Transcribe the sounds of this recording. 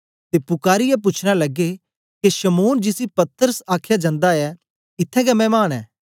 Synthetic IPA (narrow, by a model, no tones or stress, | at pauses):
t̪epʊkaːɾɪjɛp̬ʊt͡ʃʰɽ̃alɐɡe | keʃɐmoːnd͡ʒɪsipɐt̪əɾəsaːkʰjad͡ʒãːnd̪aɛ | ɪt̪ʰːɛ̃kɛmɛ̃ːmaːñɛː